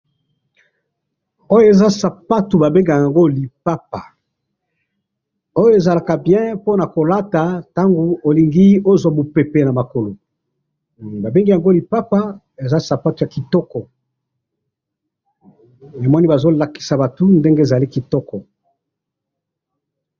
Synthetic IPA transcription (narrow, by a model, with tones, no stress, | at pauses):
o˦jo˦e˨za˦sa˨pa˦tu˨ba˨be˦ŋɡa˨ja˨ŋɡo˦li˨pa˦pa˨ | o˦jo˦e˨za˨la˨ka˨bjɛ̃˦po˦na˨ko˨la˦ta˨ta˦ŋɡo˨o˨li˨ŋɡi˦o˦zwa˨bo˨pe˨pe˨na˨ma˨ko˨lo˨ | ba˨be˦ŋɡi˦ja˨ŋɡo˦li˨pa˦pa˦ | e˨za˦sa˨pa˦tu˨ja˨ki˨tɔ˦kɔ˨ | me˨mwa˦ni˦ba˨zo˦la˨ki̥˨sa˨ba˨tu˦nde˦ŋɡe˦e˨za˨li˦ki˨tɔ˦kɔ˨